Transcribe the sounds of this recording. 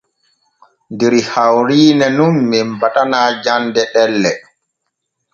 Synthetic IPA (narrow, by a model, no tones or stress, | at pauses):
ndɛɾihawɾiːnɛnumːɛmbatanaːd͡ʒandɛɗɛlːɛ